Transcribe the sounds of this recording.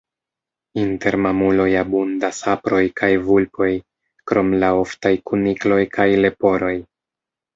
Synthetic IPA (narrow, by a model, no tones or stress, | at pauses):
inte̞ɾmamulo̞jabundasapɾo̞jkʰajvulpʰo̞j | kɾʔo̞mlao̞ftajkuniklo̞jkʰajle̞po̞ɾo̞j